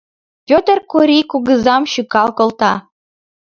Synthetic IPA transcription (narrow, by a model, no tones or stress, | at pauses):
pʲot̪ərkuɾʲikuɣə̆zɑmʃykɑlkolt̪ɑ